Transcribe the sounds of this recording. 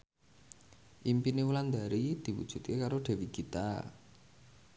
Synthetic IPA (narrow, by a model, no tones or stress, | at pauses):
ʔimpinewuland̪a̤ɾid̪̥i̤wṵd̥ʒ̥ṳt̪̚kekaɾoɖ̥e̤wikit̪a̰